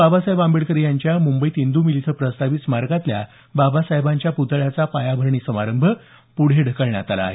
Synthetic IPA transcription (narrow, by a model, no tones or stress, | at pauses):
babasaɦebambeɭkəɾijaɲt͡ɕjamumbəit̪ind̪umilit̪ʰəpɾəst̪aʋitsmaɾkat̪lja̰ | babasaɦebaɲt͡ɕjaput̪ɭjat͡sapajabʱəɾɳ̃iːsəmaɾəmbʱə | puɽ̤eɖʱəkəɭɳja̰t̪ala̰ːɦḛ